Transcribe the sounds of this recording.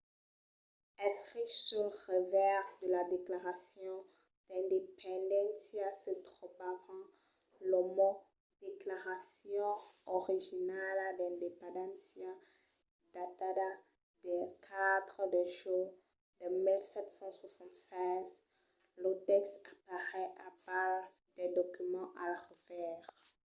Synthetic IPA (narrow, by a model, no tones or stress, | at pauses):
ɛ̃sisɔʁəvɛʁd̪əlad̪eklaʁasjɔ̃ | d̪̥ɛ̃nd̪epɑ̃d̪ɑ̃nsjasət̪ʁəpaʁɑ̃ | lɔmɔ | d̪̥eklaʁasjɔ̃ɔʁiʒinald̪ɛ̃d̪epɑ̃d̪ɑ̃sja | d̪at̪ada | d̪̥ɛkʰad̪ʁəd̪əʒɔ | d̪əmilsɛt̪sɑ̃swasɑ̃t̪sɛ̃z | lot̪ɛkstapaʁɛʔapal | d̪̥ɛd̪ɔkymɑ̃ʔalʁəvɛʁ